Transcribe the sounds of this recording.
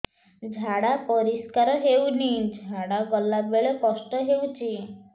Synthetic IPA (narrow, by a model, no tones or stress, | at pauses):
d͡ʒʱaɽapɔɾiskaɾɔɦewnid͡ʑʱaɽaɡɔlːabeɭɔkɔsʈɔɦewt͡ɕi